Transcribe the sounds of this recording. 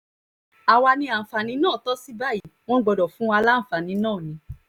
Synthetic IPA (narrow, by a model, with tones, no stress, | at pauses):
a˨wa˧nĩ˧a˨fa˨nĩ˨˧˦nãː˦˨tɔ˦si˦ba˦˨i˨˦˨w̃ɔ̃˦ɡ͡bɔ˧dɔ˨fũ˨˦a˧la˦n̩˨fa˨nĩ˨˦nãː˦˨nĩ˨˦